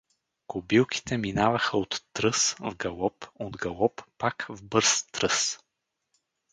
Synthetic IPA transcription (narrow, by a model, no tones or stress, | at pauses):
kobilˠkʰi̥t̪ɛminavɐxəot̪ːɾɤsvɡɐlˠɔpod̪ɡɐlˠɔppakvbɤɾst̪ɾɤs